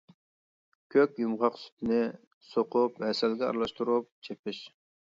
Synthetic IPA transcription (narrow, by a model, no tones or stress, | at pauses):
kʲʰøkʲjumʁɑqsy̥t̪nɪ | soqʊphɛsɛlɡʲɛɑ̰ɾlˠɑʃt̪uɾup̚t͡ʃʰepɪʃ